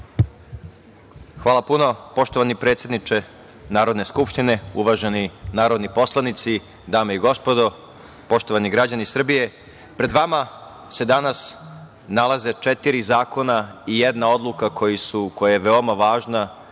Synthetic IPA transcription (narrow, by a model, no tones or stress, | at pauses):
xʋaːlˠapuno̞po̞ʃt̪oʋanipɾe̞t̪sje̞d̪nit͡ʃe̞ | naːɾo̞d̪ne̞skupʃt̪ine̞uʋaʒe̞ninaːɾo̞d̪nipo̞slˠanit̪si | d̪aːmeiɡo̞spo̞d̪o̞ | po̞ʃt̪oʋaniɡɾad͡ʑanisr̩bije̞ | pɾe̞d̪ʋama | se̞d̪anas | nalˠaze̞t͡ʃet̪iɾizaːko̞naijed̪nao̞d̪lˠukakʰo̞jisuko̞jajeʋe̞o̞maʋaːʒna